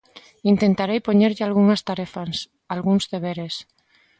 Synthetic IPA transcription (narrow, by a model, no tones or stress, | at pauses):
int̪ent̪aɾejpoɲeɾʎɪalɣuŋast̪aɾefaŋs | alɣuŋzðeβ̞eɾes